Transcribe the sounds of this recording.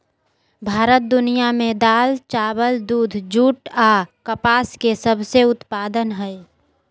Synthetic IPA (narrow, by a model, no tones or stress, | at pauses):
bʱaːɾət̪̚d̪ʊnijamẽd̪aːlt͡ʃaːbəld̪uːd̪ʱd͡ʒuːʈakəpaːskesəbseʊt̪paːd̪ənɦɛɛ